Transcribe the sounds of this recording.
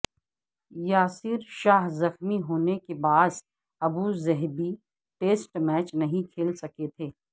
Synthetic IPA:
jaːsɪɾʃaːɦzɐxmiɦoːnekebaːz | ɐbuzɛɦbi | ʈeːsʈmɛːt͡ʃnɐɦĩkʰeːlsɐket̪ʰeː

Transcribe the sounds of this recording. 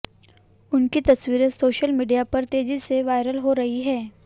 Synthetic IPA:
ʊnkit̪ɐswiːɾesoːʃəlmiːɖijapɐɾt̪eːziseʋaːɪɾəlɦoɾɐɦiɦɛː

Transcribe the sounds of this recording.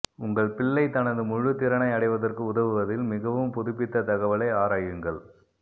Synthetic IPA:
ʊŋɡɐɭpɪɭːɐɪt̪ɐnɐðɯmʊɻɯt̪ːɪɾɐɳɐɪɐɽɐɪʋɐðɐrkɯʊðɐʋɯʋɐðɪlmɪɣɐʋɯmpʊðʊpːɪt̪ːɐt̪ɐɣɐʋɐlɐɪaːɾaːjɯŋɡɐɭ

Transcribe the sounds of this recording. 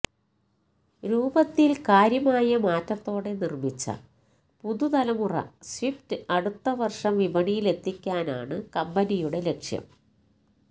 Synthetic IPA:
ɾuːbɐt̪ːilkaːɾjɐmaːjɐmaːtːɐt̪ːo̞ːɽe̞nirmit͡ɕːɐ̰ | puðut̪ɐlɐmurɐ̰swiftɨɐɽut̪ːɐʋɐrʂɐmʋibɐɳijile̞t̪ːikʲːaːna̰ːɳɨkɐmbɐnijuɽe̞le̞kʂjɐ̰m

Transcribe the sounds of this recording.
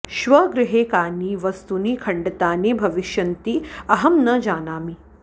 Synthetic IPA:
ʃʋɐɡɾɪɦeːkaːniʋɐst̪uniːkʰɐɳɖɐt̪aːneːbʱɐʋiʃjɐnt̪iɐɦɐmnɐd͡ʒaːnaːmi

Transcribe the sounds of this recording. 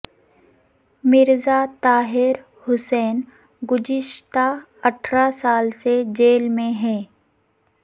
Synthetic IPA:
mɪɾzat̪aːɦɪɾ | hʊsɛːn | ɡʊd͡ʒɪʃt̪a | ɐʈʰɾasaːlsed͡ʒeːlmẽɦɛː

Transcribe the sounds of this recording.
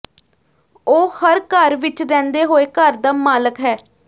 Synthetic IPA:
oːhəɾkəɾʋɪt͡ʃɾɛ̃ːnd̪eːɦoːeːkəɾd̪aːmaːləkɦɛː

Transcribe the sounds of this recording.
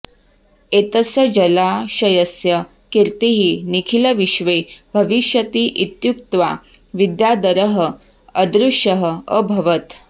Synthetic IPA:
et̪əsəd͡ʑəlaʃɐjəsjə | kiɾt̪iɦiːnikʰiləʋiʃʋebʱəʋiʃjət̪iːʔit̪juk̚t̪ʋa | ʋid̪jad̪əɾəɦə | əd̪ɾuʂəɦəə̰bʱɐʋət̪

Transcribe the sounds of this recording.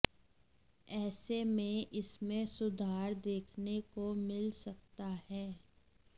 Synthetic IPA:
ɛːsemẽʔɪsmẽsʊd̪ʱaːɾd̪eːkʰnekomɪlsɐk̚t̪ahɛː

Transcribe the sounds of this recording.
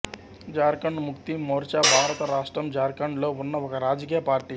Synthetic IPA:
d͡ʒaːɾkɐɳɖmukt̪imoːɾt͡ʃaːbʱaːɾɐt̪ɐɾaːʂʈɾɐmd͡ʒaːɾkɐɳɖlounːɐʋɔkɐɾaːd͡ʒkijɐpaːɾʈiː

